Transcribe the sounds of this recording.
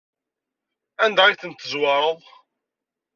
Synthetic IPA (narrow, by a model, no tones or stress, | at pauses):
ænd̪æijθənt̪ːəzwɑɾˤəðˤ